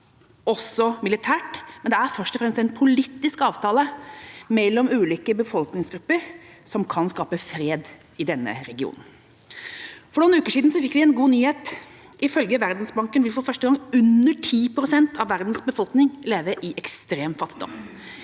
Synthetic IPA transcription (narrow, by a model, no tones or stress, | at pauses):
ɔsɔmɪlɪt̪ʰæːʈmɛnd̪ɛæɾfœʂʈɔfɾɛmst̪ɛɪnpʰʊlit̪ːɪskɑːʋt̪ʰɑːləmɛlːɔmʉːliːkəbəfɔlknɪŋsɡɾʉpːəɾ | sɔmkʰɑnskɑːpəfɾeːd̪ | ɪd̪ɛnːə̰ɾɛɡɪṵːnn̩ | fɔɳʊːnʉːkəʂiːd̪n̩sɔfɪkːʋɪɛnɡuːnyːheːt̪ | ʔɪfœlɡəʋæɾd̪n̩sbɑŋkənʋɪfɔɾfœʂʈəɡɑŋʉnːəʈʰiːpɾʊsɛnt̪ʰɑʋːæɾd̪n̩sbəfɔlknɪŋleːʋəɾʔɪʔɛkst̪ɾeːmfɑt̪ːɪd̪ɔ̰mː